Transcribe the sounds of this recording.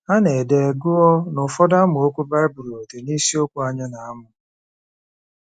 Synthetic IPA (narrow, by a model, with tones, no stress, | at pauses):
a˦ne˨de˨ɡʊ˦ɔ˦nʊ˨fɔ˦da˦mʊ˨o˦kʷu˦ba˦bu˨ɾi˨o˨te˨ni˦si˦o˦kʷu˦a˦ɲa˦na˨a˦mʊ˨